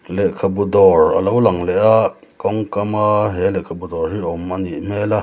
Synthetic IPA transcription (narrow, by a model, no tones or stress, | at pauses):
lɛkʰabud̪ɔɹɐ̰lowlɐŋlɛʔa | kɔŋkamaɦɛlɛkʰabudɔrhiʔɔmaniʔmɛla